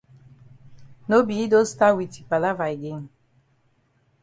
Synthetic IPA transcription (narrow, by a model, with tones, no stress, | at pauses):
no˦bi˨i˦do˦sta˦wi˨ti̥˨pa˨la˦va˨jɡe˦ŋ